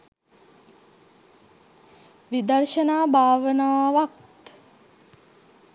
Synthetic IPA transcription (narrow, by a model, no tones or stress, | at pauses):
ʋid̪ərʃənaːbʱaːʋənaːʋakt̪